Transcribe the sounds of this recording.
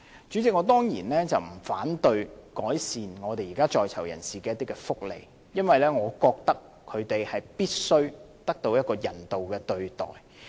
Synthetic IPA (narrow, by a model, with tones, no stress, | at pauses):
t͡ʃy˨˥t͡sɪ˨k̚ŋɔː˨˧˥t̪ɔː˥ŋjiː˨˩nlɛː˥t͡sɐ˨wm̩˨˩faː˨˥nt̪ɵ˧ɥkɔː˨˥jsiː˨nŋɔː˨˧t̪e˨jiː˨kaː˥t͡ʃɔː˨jt͡sʰɐ˨˩wjɐ̰˨˩nsiː˨kɛː˧jɐ˥t̪iː˥kɛː˧fʊ˥k̚lḛ˨˧j | jɐ˥nwɐ˨jlɛː˥ŋɔː˨˧kɔː˧k̚t̪ɐ˥kʰːɵ˨˧ɥt̪e˨jhɐ˨jpiː˥t̚sɵ˥ɥ | t̪ɐ˥k̚t̪o˧wjɐ˥t̚kɔː˧jɐ˨˩nt̪o˨wkɛː˧t̪ɵ˧ɥt̪ɔ̰ː˨˩j